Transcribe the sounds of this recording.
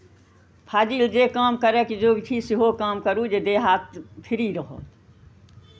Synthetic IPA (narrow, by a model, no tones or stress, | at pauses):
pʰad͡ʒild͡ʒekamkəɾɛkd͡ʒoɡt͡ʃʰisiɦokamkəɾud͡ʒed̪eɦat̪pʰiɾiɾəɦɔ̰t̪